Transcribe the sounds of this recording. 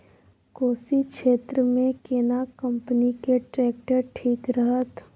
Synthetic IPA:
koːsikʃeːt̪ɾəmẽkeːnakə̃mpənikeʈɾɛːk̚ʈəɾʈʰiːkɾəɦət̪

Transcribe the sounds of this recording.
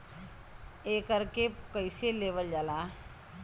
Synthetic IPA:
eːkəɾkekəɪseleːʋəld͡ʒaːlaː

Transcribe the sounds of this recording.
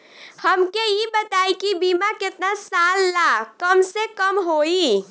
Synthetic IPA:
həmkejibət̪aːikibiːmakɪt̪nasaːlːakəmsekəmɦoːi

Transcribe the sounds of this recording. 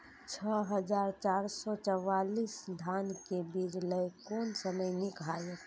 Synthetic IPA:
t͡ʃʰɔɦəd͡ʒaːɾt͡ʃaɾsɔt͡ʃəwaːliːsd̪ʱaːnkebid͡ʒləjkɔːnsəməjnɪkʰaːjək

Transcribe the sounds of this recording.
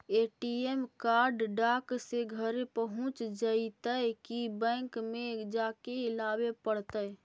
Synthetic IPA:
eʈiemkaɾɖɖakseɡʱəɾepəɦʊ̃t͡ʃd͡ʒait̪əjkibɛ̃ŋkmed͡ʒakeɪlabepəɽt̪əj

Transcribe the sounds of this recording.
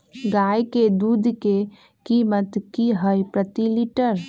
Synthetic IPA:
ɡaːjked̪uːd̪ʱke | kiːmət̪kiɦəjpɾət̪iliʈəɾ

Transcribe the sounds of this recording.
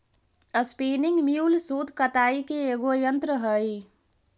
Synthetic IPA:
əspeːnɪŋɡmjuːlsoːd̪ʱkət̪aːikeeɡojənt̪ɾəɦəi

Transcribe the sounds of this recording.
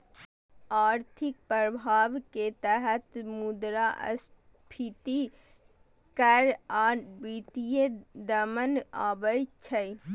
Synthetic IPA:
aɾt̪ʰik̚pɾəbʱaʋket̪əɦət̪mud̪ɾaʔə̰s | pʰit̪i | kəɾabit̪ijed̪əməna̰bəjt͡ʃʰəj

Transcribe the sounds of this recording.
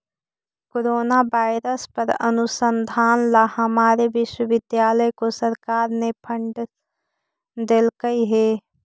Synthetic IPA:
koɾoːnaʋaːɪɾəspɐɾɐ̰nʊsənd̪ʱaːnlahɐmaːɾeʋɪʃwəʋɪd̪jaːləjkosɐɾkaːɾnepʰə̃ɳɖ | d̪elkəiɦeː

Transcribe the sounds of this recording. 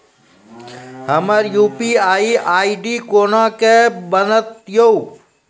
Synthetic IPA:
həməɾjuːpiaːiaːiɖikoːnãkebənət̪joː

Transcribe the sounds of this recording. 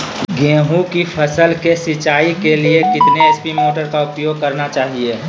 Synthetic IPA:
ɡẽːɦũkipʰɐsəlkesɪt͡ʃaːikeliekɪt̪neespimoːʈəɾkaʊpjoːɡ̚kɐɾnat͡ʃaːɦie

